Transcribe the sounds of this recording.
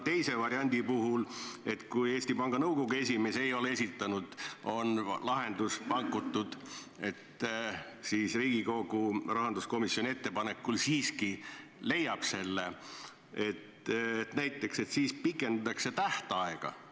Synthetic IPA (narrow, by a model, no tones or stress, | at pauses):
t̪e̞jse̞vɑɾiɑnʲd̪ipuɦule̞t̪kujeːst̪ipɑŋɡ̥ɑnɤwko̞ɡ̥ue̞sʲime̞seejo̞leesit̪ːˑɑnud̪̥o̞nlɑɦe̞nd̪uspɑŋkut̪ˑːud̪̥ | e̞t̪ | siːsriːɡ̥iko̞ɡ̥urɑɦɑnd̪usko̞misjo̞nʲie̞t̪ːe̞pɑne̞kːˑulsiːskile̞jːɑb̥se̞lːe | e̞t̪et̪næjt̪ːˑe̞kse̞t̪siːspikːˑe̞nd̪t̪ˑɑkse̞t̪æht̪ɑɑeɡ̥ɑ̰